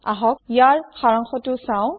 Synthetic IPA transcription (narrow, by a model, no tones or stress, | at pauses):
a̰ɦɔk̚ijaɹxaɹaŋxɔtʊsaw̃